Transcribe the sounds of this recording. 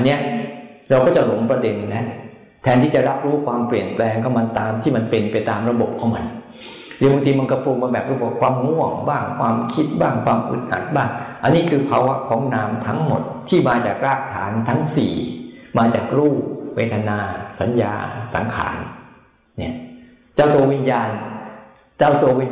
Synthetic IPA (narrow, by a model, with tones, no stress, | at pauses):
ʔa˧nːi˦˥ɐɾa˧wkɔː˥˩t͡ɕa˨˩lo˨˩˦ŋpɾa˧de˧nːa˦˥ | t̪ʰɛː˧nt̪ʰiː˥˩t͡ɕa˨˩ɾa˦˥p̚ɾuː˦˥kʰwaː˧mpli˨˩ənplɛː˧ŋkʰa˧˥˩ma˧nt̪aː˧mt̪ʰiː˥˩ma˧npe˧npa˧jt̪aː˧mɾa˧bo˨˩p̚kʰɔː˩˦ma˧n | dɯ˨˦bŋt̪ʰi˧ma˧nkɔ˧˥˩pʰuː˧˩k̚ma˧bɛː˨˩p̚ɾu˦˥˩a˨˥˩kʰwaː˧mŋu˥˩əŋbaː˥˩ŋkʰwaː˧mkʰi˦˥t̪̚baː˥˩ŋkʰwaː˧mʔɯ̰˨˩t̪̚ʔa̰˨˩t̪̚baː˥˩ŋʔa˧nːiː˥˩kʰɯː˧pʰaː˧wa˦˥kʰɔː˩˦ŋnaː˦˥mt̪ʰa˦˥ŋmo̰˨˩t̪̚ʰːiː˥˩maː˧t͡ɕaː˨˩k̚ɾaː˥˩k̚t̪ʰaː˩˦nt̪ʰa˦˥ŋsḭː˨˩maː˧t͡ɕa̰ː˨˩k̚ɾuː˥˩weː˦˥t̪ʰa˧naː˧sa˩˦nja̰ː˧sa̰˩˦ŋkʰa̰ː˩˦nː | i˦˥˩ɐ | t͡ɕaː˥˩wt̪u˧ɐwi˦˧˩njaː˧n | t͡ɕaː˥˩wt̪u˧ɐ˧wi˧